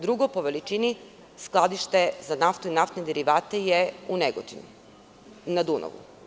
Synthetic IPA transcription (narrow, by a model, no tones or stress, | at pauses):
d̪ɾuɡopoʋelit͡ʃini | sklˠad̪iʃt̪e̞zanaft̪uinaft̪ned̪eɾiʋaːt̪ejeuneɡot̪ḭnu | nad̪uno̰ʋṵ